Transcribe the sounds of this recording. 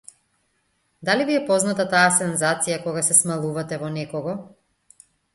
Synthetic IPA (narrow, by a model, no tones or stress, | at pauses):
d̪aliviɛpɔznat̪at̪aːsɛnzat̪sijakɔɡasɛsmalˠuvat̪ɛvɔnɛkɔɡɔ